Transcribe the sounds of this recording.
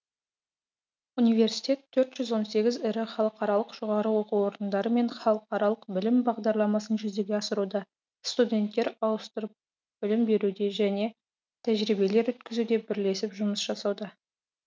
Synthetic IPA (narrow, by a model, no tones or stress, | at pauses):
unijve̞ɾsi̥jt̪ʲe̞t̪ʰːɵɾt̪ʒ̥ʏzwo̞nse̞ɡʲɪzɪɾɪχɑlˠəqɑɾɑlˠəqʒ̥oʁɑɾəwo̞quwo̞ɾənd̪ɑɾəme̞ɴχɑlˠəqɑɾɑlˠəqbɪlɪmbɑʁd̪ɑɾlˠɑmɑsənʒʏzd̪e̞ɡʲe̞ɑsəɾud̪ɑ | st̪udʲe̞nt̪ːe̞ɾɑwəst̪əɾəp̚ | b̥ɪlɪmbe̞ɾud̪e̞ʒæne̞ | t̪ʰæʒɾibe̞le̞ɾwɵt̪kʲɪzud̪e̞bɪɾle̞sɪpʒʊməsʒ̥ɑsɑwd̪ɑ